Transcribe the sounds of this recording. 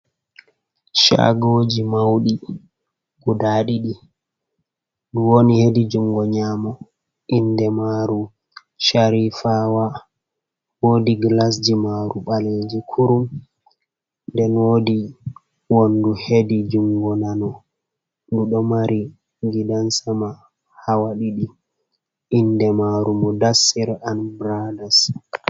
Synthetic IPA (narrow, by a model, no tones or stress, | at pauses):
ʃa̰ɡod͡ʒimawɗi | kudaːɗiɗi | duwonihedid͡ʒuŋɡɔɲamɔ | ʔindɛmaɾu | ʃaɾifaːwa | wodiɡlas̬d͡ʒimaɾuɓaled͡ʒikʰuɾum | ndɛnwodi | wonduhedid͡ʒuŋɡɔnanɔ | duɗɔmaɾi | ɡidansama | hawaɗiɗi | ʔindɛmaɾumɔdasːiɾanbɾadas